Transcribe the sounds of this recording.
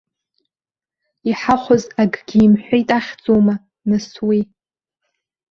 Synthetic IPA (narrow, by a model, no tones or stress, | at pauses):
iħaχʷozaɡɡʲiːmħʷᶣejtʼaχʲd͡zowma | nɨswi